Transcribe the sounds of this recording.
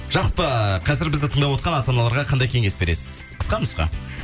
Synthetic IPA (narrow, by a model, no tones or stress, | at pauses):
ʒ̥ɑlˠpəqʰɑzɪɾbɪzd̪ɪt̪ʰəɴd̪ɑpwo̞t̪qɑnɑt̪ɑnɑlˠɑɾʁɑqʰɑnd̪ɑjkʲʰe̞ŋɡe̞sbe̞ɾesɪ̥z̥ | qʰə̥sqɑnʊsqɑ̰